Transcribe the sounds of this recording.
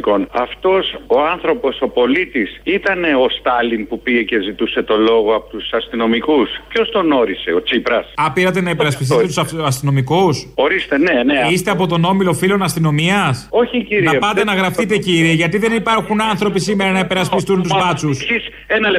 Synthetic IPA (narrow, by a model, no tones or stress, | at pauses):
konɐft̪o̞so̞ɐnθɾo̞po̞so̞po̞lit̪isit̪ɐne̞ost̪ɐlinpupie̞ce̞zit̪use̞t̪o̞lo̞ɣoɐpot̪usɐst̪ino̞mikuspço̞st̪o̞no̞ɾise̞o̞t͡sipɾɐsɐpiɾɐt̪enɐipeɾɐspist̪t̪usɐst̪ino̞mikuso̞ɾist̪eneneist̪e̞ɐpo̞t̪o̞no̞milo̞filo̞nɐst̪ino̞miɐso̞çiciɾiɐepɐt̪e̞nɐɣɾɐft̪it̪e̞ciɾieʝɐt̪iðe̞nipɐɾxunɐnθɾo̞pisimeɾɐnɐipe̞ɾɐspist̪unt̪uzlɐt͡susis | enɐ